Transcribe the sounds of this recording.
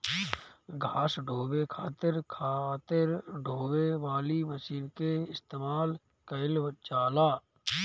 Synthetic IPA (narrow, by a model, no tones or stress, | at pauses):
ɡʱaːsɖʱoːwekʰaːt̪ɪɾkʰat̪ɪɾɖʱoːweʋaːliməsiːnkeɪst̪eːmaːl | kəɪlʋət͡ʃaːlaː